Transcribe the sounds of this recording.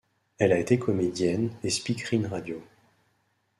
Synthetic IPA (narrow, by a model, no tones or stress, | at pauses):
ɛlaet̪ekʰɔmed̪jɛnespikχinʁad̪jo